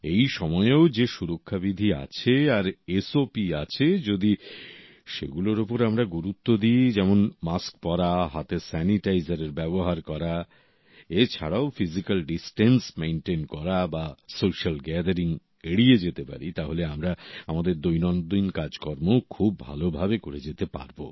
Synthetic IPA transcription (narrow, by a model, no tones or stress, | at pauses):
ejʃɔmɔeod͡ʑeʃuɾokʰːabid̪ʱia̰t͡ɕʰeaɾesopia̰t͡ɕʰed͡ʑod̪i | ʃḛɡuloɾopoɾamɾaɡuɾut̪ːod̪id͡ʑɛmonmaskpɔɾaɦat̪esɛniʈajzaɾeɾbɛboɦaɾkɔɾa | et͡ɕʰaɽaofizikalɖisʈensmenʈenkɔɾabasoʃalɡɛd̪aɾiŋ | eɽied͡ʑet̪epa̰ɾit̪aɦoleamɾaamad̪eɾd̪ojnɔnd̪inkad͡ʑkɔɾmokʰubːʱa̰lobʱabekoɾed͡ʑet̪epa̰ɾbo̰